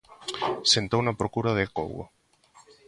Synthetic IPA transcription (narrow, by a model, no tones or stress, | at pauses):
sent̪ownɐpɾokuɾaðeko̰wo̰